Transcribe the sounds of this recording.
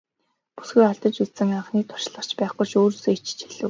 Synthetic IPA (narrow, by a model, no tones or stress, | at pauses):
pu̥sɡujχaɮt̪ə̆t͡ɕit̪sɘ̆ŋaɴχniːt̪ʰʊ̥ʃɮə̆r̥t͡ɕpæːχʊjʃoːɾseːit͡ɕt͡ɕʰiɮɘ̆